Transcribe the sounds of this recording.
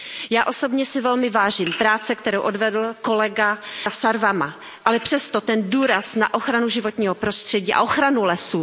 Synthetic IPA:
jaːʔo̞so̞bɲɛsɪvɛlmɪvaːʒiːmpɾaːt͡sɛk̚t̪ɛɾowʔo̞dvɛdl̩ko̞lɛɡasaɾvama | ʔalɛpr̝̥ɛst̪o̞t̪ɛnduːɾasnaʔo̞xɾanuʒɪvo̞t̪ɲiːɦopɾo̞st̪r̥ɛɟiːʔa̰ʔoxɾanulɛsu

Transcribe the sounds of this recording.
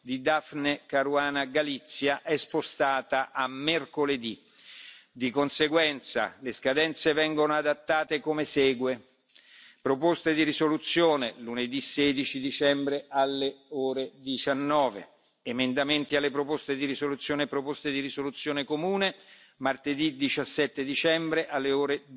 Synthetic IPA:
d̪id̪afnekaɾuaːnaɡalit̪sːjaʔɛspost̪aːt̪aʔamːerkoled̪i | d̪ikonseɡwɛnt̪sa̰leskad̪ɛnt̪sevɛŋɡonoad̪at̪ːaːt̪ekomesɛːɡwe | pɾopost̪ed̪iɾisolut̪sːjoːneluned̪iseːd̪it͡ʃid̪it͡ʃɛmbɾealːeoːɾed̪it͡ʃanːɔːvḛ | emend̪ament̪ialːepɾopost̪ed̪iɾisolut̪sːjoːnepɾopost̪ed̪irisolut̪sːjoːnekomuːne | mart̪ed̪id̪it͡ʃasːɛt̪ːed̪it͡ʃɛmbɾeʔalːeoːɾe

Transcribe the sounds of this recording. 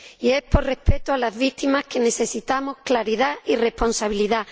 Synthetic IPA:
ieporrehpet̪oalazβit̪imaskenesesit̪amohklaɾið̞aireponsaβ̞iliða

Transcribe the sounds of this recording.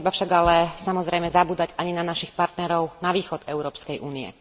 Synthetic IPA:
ibafʃaɡalɛsamɔzɾɛjmɛzabuːd̪aɟaɲinanaʃixpaɾt̪nɛɾɔʊnaʋiːxɔd̪ɛʊɾɔːpskɛjʔuːniɛ̰

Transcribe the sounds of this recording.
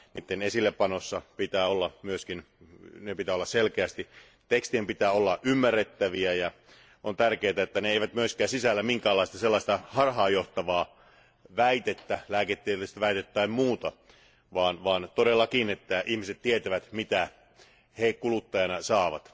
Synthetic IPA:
niːt̪ːenesilːeppɑnosːɑpit̪æːolːɑmyøskin | nepit̪æːolːɑsselkeæst̪i | t̪ekst̪iempit̪æːolːɑʔymːærːet̪ːæʋiæjɑ | ʔont̪ærkeːt̪æet̪ːæneeiʋæt̪myøskˑæːsisælːæmiŋkæːlːˑɑˑist̪ɑselːɑˑist̪ɑhɑrhɑːjoht̪ɑʋɑː | ʋæit̪et̪ːælæːket̪ːeist̪æʋæˑit̪et̪ːæimmuːt̪ɑ | ʋɑːnʋɑːnt̪odelːɑkinet̪ːæʔihmiset̪t̪iet̪æʋæt̪mit̪æ | hekulut̪ːɑjɑnɑsɑːʋɑ̰t̪

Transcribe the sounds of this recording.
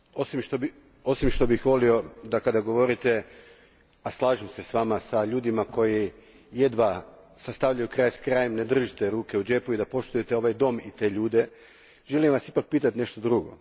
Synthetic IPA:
o̞simʃt̪obi | o̞simʃt̪o̞bixʋo̞lio̞d̪akad̪aɡo̞ʋo̞ɾit̪e | aslˠaːʒemse̞sʋamasaʎuːd̪imako̞ji | jed̪ʋa | sast̪aʋʎajukɾaːjsḁkɾaːjemned̪r̩ʒit̪e̞ɾuːke̞ud͡ʒe̞puid̪apo̞ʃt̪ujet̪eo̞ʋajd̪o̞mit̪e̞ʎuːd̪e̞ | ʒe̞limʋasipak̚piːt̪at̪ine̞ʃt̪od̪ɾuɡo̞̰

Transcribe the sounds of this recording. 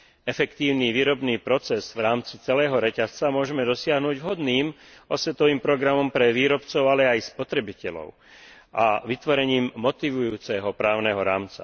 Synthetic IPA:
ɛfɛkt̪iːʊniːʋiːɾɔbniːpɾɔt͡sɛzʋɾaːmt͡sit͡sɛlɛːɦɔɾɛcast͡samʊɔʒɛmɛd̪ɔsɪaɦnuːɟvɦɔd̪niːm | ɔsʋɛt̪ɔʋiːmpɾɔɡɾamɔmpɾɛʋiːɾɔpt͡sɔʊalɛajspɔt̪ɾɛbicɛlɔ̰ʊ | ʔaʋit̪ʋɔɾɛɲiːmːɔt̪iʋujuːt͡sɛɦɔpɾaːʊnɛɦɔɾaːmt͡sa̰

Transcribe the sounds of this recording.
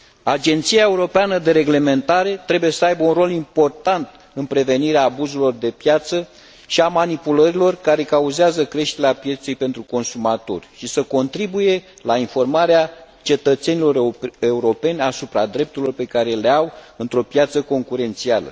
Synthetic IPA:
ad͡ʒe̞nt̪sijae̞uɾo̞peanəd̪e̞ɾe̞ɡle̞me̞nt̪aɾe̞t̪ɾe̞buje̞səajbəunro̞limpo̞rt̪ant̪ | ɨnpɾe̞ve̞niɾeaːbuzulo̞rd̪e̞pjat̪sə | ʃiamanipuləɾilo̞rkaɾe̞kauzeazəkɾe̞ʃt̪e̞ɾeapje̞t̪se̞jpe̞nt̪ɾuko̞nsumat̪o̞̰rʲʃisəko̞nt̪ɾibuje̞ | lainfo̞rmaɾea | t͡ʃe̞t̪ət̪se̞nilo̞re̞uɾo̞pe̞nʲasupɾad̪ɾe̞p̚t̪uɾilo̞rpe̞kaɾe̞leawɨnt̪ɾo̞pjat̪səko̞ŋkuɾe̞nt̪sialə̰

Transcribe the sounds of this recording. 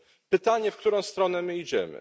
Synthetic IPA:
pɘt̪aɲɛfkt̪uɾɔ̃w̃st̪ɾɔnɛmɘid͡ʑɛmɘ̰

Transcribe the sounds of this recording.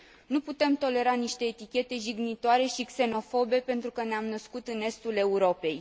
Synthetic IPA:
nuput̪e̞mt̪o̞le̞ɾaniʃt̪e̞ːt̪ikʲe̞t̪e̞ʒiɡnit̪oaɾe̞ʃikse̞no̞fo̞be̞pe̞nt̪ɾukəneamnəskut̪ɨne̞st̪ule̞uɾo̞pe̞j

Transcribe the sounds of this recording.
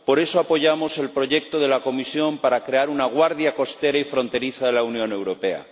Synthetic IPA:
po̞ɾe̞soapo̞ʝamo̞se̞lpɾo̞ʝe̞k̚t̪oðe̞lako̞misjo̞mpaɾakɾe̞aɾunaɣ̞waɾðjako̞st̪e̞ɾaifɾo̞nt̪e̞ɾiθaðe̞launjõ̞ne̞wɾo̞pe̞a̰

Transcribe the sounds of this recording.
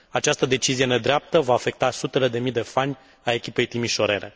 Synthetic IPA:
at͡ʃast̪əd̪e̞t͡ʃizije̞ne̞d̪ɾeap̚t̪əvaːfe̞k̚t̪asut̪e̞le̞d̪e̞mid̪e̞fanʲ | ae̞kʲipe̞jt̪imiʃo̞ɾe̞̰ɾe̞̰

